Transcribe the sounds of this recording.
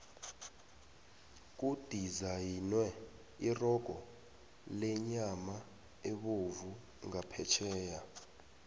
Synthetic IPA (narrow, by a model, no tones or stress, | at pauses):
k̬ʼud̥ʱizajinwɛ | irɔɡ̥ʱɔ | lɛɲama | eɓovu | ŋapʰɛt͡ʃʰɛːja